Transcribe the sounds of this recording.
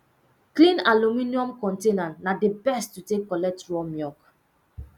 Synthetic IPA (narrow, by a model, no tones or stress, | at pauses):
klĩnaluminiɔ̃mkɔ̃ntenãnnadebɛstːutekːɔlɛk̚tɹɔmjɔk